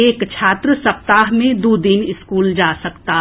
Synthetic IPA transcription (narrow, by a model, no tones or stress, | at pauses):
eːkt͡ʃʰaːt̪ɾəsɐp̚t̪aːɦmẽd̪uːd̪ɪnɪskuːld͡ʒaːsɐkt̪aː